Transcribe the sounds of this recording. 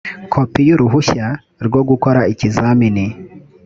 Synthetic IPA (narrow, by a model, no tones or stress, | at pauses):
kʰopijuɾuɦuça | ɾɡwo̞ɡukoɾaicizaːmini